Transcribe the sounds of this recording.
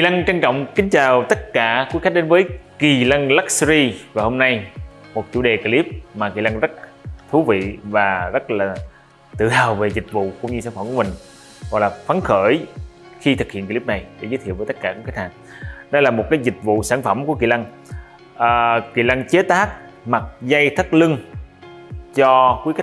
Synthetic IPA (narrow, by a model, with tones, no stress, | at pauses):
ki˨˩la˧ŋt͡ɕa˧ŋt͡ɕɔ̰˧˨wŋ͡mkï˨˦ŋ̟t͡ɕaː˨˩wt̪ə˦˥t̚kaː˧˩kwkxa˦˥k̚ɗe˨˦nvəː˨˦jki˨˩lə˧ŋla˦˥k̚szi˧vaː˨˩ho˧mna˧j | mo˨˩t̚t͡ɕṵ˧˩˥ɗe˨˩ki˧˩li˦˥p̚maː˨˩ki˨˩la˧ŋzə˦˥t̚t̪ʰu˨˦vḭ˧˨vaː˨˩zə˦˥t̚laː˨˩ | t̪ɨ̰˧˨haː˨˩wve˨˩zi˨˩k̟̚vṵ˧˨kʊ̰˧˥wŋ͡mɲɨ˧saː˧˩nfə˧˩mkmï˨˩ŋ̟ | ɣɔ̰˨jlaː˨˩fa˨˦nxəː˧˩j | xi˧t̪ʰɨ˨˩k̚ḭ˧˨nki˧˦˥p̚na˨˩jɗe˨˧˦zəː˦t̪ʰi˧˨wvːjt̪ə˦˥t̚kaː˧˩˨k̚ːhaː˨˩ŋ | ɗɔ˧jlaː˨˩mo˨˩t̚kaː˨˦jzi˨˩k̟̚vṵ˧˨saː˧˩nfə˧˩mku˧˩əki˨˩la˧ŋ | ʔəː˨˩kḭ˧˩la˧ŋt͡ɕe˨˦t̪aː˦˥k̚ma˨˩t̚za˧jt̪ʰə˦˥t̚lɨ˧ŋ | t͡ɕɔ˧kwi˨˦k̚